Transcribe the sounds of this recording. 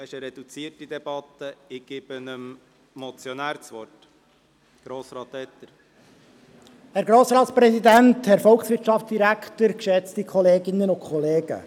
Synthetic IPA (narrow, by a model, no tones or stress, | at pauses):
ɪʃəɾɛd̥̪ut͡siəɾtid̪ɛb̥ɑt̪ːəɪɡ̥ɪb̥ənəm | mɔt͡sjɔnæːɾt͡sʋɔrt | ɡ̥ɾoːsɾɑːt̪ːɛt̪ːəɾ | hæɾɡɾoːsɾɑːt̪spɾɛsid̪ænthæɾfɔlˠksʋɪɾtt͡ʃɑft͡sd̥iɾækt̪əɾkʃɛt͡stikʰɔleːɡɪnːənʊnkʰχɔleːɡ̥ə̰